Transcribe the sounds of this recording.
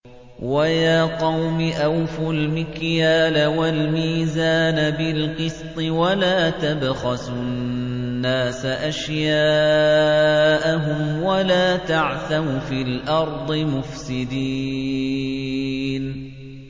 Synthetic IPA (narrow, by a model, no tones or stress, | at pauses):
wajaːqɑwmɪʔawfʊlmɪkjaːlawalmiːzaːnabɪlqɨst̪ˤɨwalaːt̪abɣasʊnːaːsaʔaʃjaː | ʔaɦʊmwalaːt̪aʕθawfiːlʔɑɾˤd̪ˤɨmʊfsɪd̪iː | n